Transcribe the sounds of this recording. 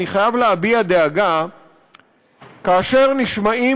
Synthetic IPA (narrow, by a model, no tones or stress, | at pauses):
iχajavleabiad̪eaɡa | kaːʃe̞ʁniʃmai